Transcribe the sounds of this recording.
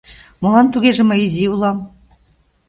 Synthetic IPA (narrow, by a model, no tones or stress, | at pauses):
molˠɑnt̪uɣeʒĕmeiziulˠɑm